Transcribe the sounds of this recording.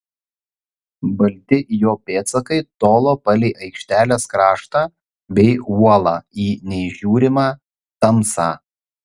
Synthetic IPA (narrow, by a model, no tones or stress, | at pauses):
bɐlʲt̪ʲɪjoːpʲeːt̪sɐkɐɪt̪oːlˠoːpɐlʲɛɪʔɐɪkʃʲt̪ʲæːlʲeːskɾɑːʃt̪ɑː | bʲɛɪuɔlˠɑːiːnʲɛɪʒʲuːɾʲɪmɑː | t̪ɐmsɑː